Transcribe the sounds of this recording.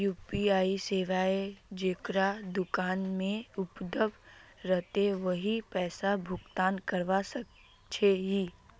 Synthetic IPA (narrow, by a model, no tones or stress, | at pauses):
juːpiaːiseːʋaːed͡ʒekɾad̪ʊkaːnmẽʊpd̪ʱəbɾɛɦt̪eʋɐɦipɛːsabʱʊkt̪aːnkɐɾʋasək | t͡ʃʰeɦiː